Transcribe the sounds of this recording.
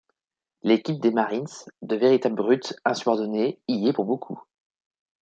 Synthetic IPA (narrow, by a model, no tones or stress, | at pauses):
lekʲip̚d̪emaʁinsd̪əveʁit̪abləʁyt̪ɛ̃sybɔʁd̪ɔneijepuʁbokʰṵ